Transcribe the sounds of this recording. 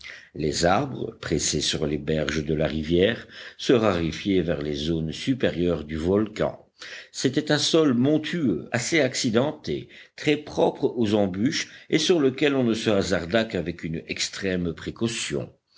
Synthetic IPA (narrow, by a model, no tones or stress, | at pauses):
lezaʁbʁə̰pχesesyʁlebɛʁʒəd̪əlaʁivjɛːʁsəʁaʁifjevɛʁlezonsypeʁjœʁd̪yvɔlkɑ̰̃ | set̪ɛt̪ɛ̃sɔlmɔ̃t̪ʰyøaseaksid̪ɑ̃t̪et̪χɛpχɔpχozɑ̃byʃesyʁləkʲɛlɔ̃nəsəazaʁd̪akavɛkynɛkst̪χɛmpχekɔsjɔ̰̃